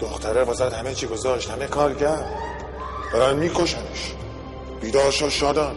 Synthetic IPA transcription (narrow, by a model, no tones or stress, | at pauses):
d̪̥oxt̪ʰæɾebɒzæd̪hæmet͡ʃʰiɡozɒːʃt̪hæmekʰɒːɾcæɾd̪ | d̪̥ɒːɾænmiːkʰoʃæneʃ | b̥iːd̪ɒːɾʃoʃɒːd̪æn